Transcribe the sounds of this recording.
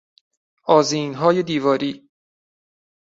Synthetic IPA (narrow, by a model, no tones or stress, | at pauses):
ʔɒːziːnɦɒːjed̪iːvɒːɾiː